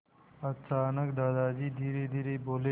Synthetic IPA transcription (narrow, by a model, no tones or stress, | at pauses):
ɐt͡saːnɐkd̪aːd̪aːd͡ʑiːd̪ʱiːɾiːd̪ʱiɾiːboːle